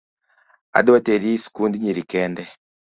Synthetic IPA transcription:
a̰dateɾisi̥kundiɲiɾikɛndɛ

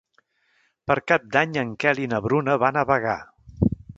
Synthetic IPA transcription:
pəɾkap̚d̪aɲəŋkɛlinəβɾunəβanəβəɣa̰

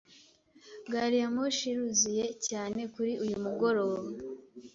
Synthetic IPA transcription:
ɡaːɾijamuʃiɾuzije̞caːne̞kuɾiʔujumuɡo̞ɾo̞ːβa

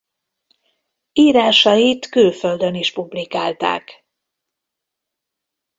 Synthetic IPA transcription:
iːɾaːʃɒjit̪køːføld̪øniʃpublikaːlt̪a̰ːk

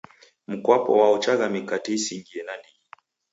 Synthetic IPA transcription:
m̩kwapɔ̰waɔt͡ʃaɣamikatɛisiŋɡiɛnani

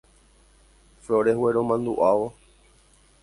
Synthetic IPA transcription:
fɾoɾeɦweɾomãnd̪uʔaʋo

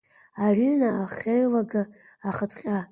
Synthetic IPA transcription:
arynaaχʲejlaɡɨ | aχətʰʼqʲʼa

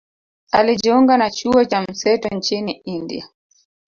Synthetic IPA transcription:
alid͡ʒɔŋɡanat͡ʃuɔt͡ʃam̩sɛtɔnt͡ʃiniindḭa

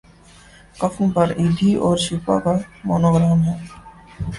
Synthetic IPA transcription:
kɐfʰũpɐɾiːd̪ʱiʔɔːɾʃipa̰kamɔ̰ːnoːɡɾaːmɦɛː

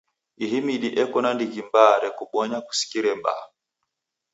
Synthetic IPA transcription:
iɦimiɗiʔɛkɔnandiɡimbaɾɛkuɓɔɲaku̥si̥kiɾɛmba̰

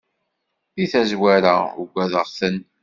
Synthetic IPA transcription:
θiθæzwæɾauɡʷæðəʁθən

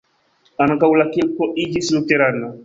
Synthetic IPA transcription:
ãnãkawulakekɔʔid͡ʒisilokɛɾadina

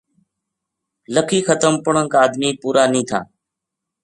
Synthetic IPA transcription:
ləkʰiːxət̪əmpʊɳəŋkaaːd̪miːpuːɾaːnĩːt̪ʰa̰ː

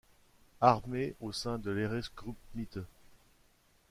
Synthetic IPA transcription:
aʁmeosɛ̃d̪əleʁɛsɡʁup̚mit̪ə

